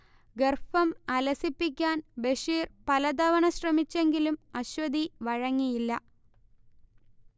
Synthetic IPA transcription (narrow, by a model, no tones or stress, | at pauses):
ɡerfɐmɐlɐsipːikʲːaːnbeʂiːrpɐlɐd̪ɐʋɐɳɐɕrɐmit͡ɕːe̞ŋɡilumɐɕʋɐd̪ʱiʋɐɻɐŋːijilːɐ